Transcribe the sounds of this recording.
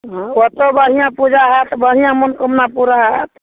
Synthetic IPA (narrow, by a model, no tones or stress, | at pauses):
ɦɔ̃kɔt̪obəɽ̤ijãpud͡ʒaɦɛt̪bəɽ̤ijãmunkəmnapuɾaɦɛt̪